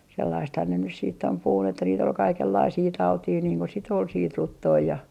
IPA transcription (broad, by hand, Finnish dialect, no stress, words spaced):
selːɑisthɑn ne nys siːtː om puhun etːæ niːt ol kɑikelːɑisiː tɑutiː niːŋ ko sit ol siːt rutːoː jɑ